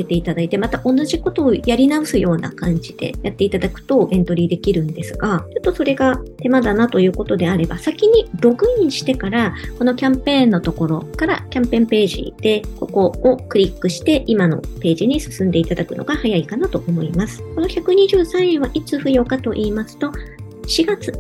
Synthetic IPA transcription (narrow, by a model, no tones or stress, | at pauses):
et̪e̞it̪ad̪ait̪e̞mat̪aʔo̞nːaʑiko̞t̪o̞ːjaɾʲinaosɨjo̞ːna̰kãɲ̟d͡ʑid̪̥e̞̰jʔat̪ːeit̪ad̪akɯ̟̥t̪o̞ːɡẽ̞nt̪o̞ɾʲid̪e̞kʲiɾɯ̟̃nd̪e̞sɨɡat͡ɕot̪ːo̞so̞ɾe̞ɡat̪e̞mad̪anat̪o̞jɯ̟ːko̞t̪o̞d̪e̞aɾe̞basakʲiɲ̟ib̪o̞kɯ̟iɲɕi̥t̪e̞kaɾako̞no̞kʲãmpẽ̞ːnːo̞t̪o̞ko̞ɾo̞kaɾakʲãmpẽ̞mpe̞ːʑḭd̪̥e̞ko̞ko̞ːkɯ̟ɾʲikːɯ̟ɕi̥t̪e̞ʔimano̞̰pe̞ːʑiɲ̟isɨ̥sɨ̃nd̪e̞it̪ad̪akɯ̟no̞̰ɡahajaikanat̪o̞omo̞imasɨ̥ko̞no̞çakɯ̟ɲ̟iʑɨːsãɰ̃ẽɰ̃βaʔit͡sɨɸɯ̟jo̞kat̪o̞ʔiːmasɨ̥t̪o̞ | ɕiɡat͡sɨ̥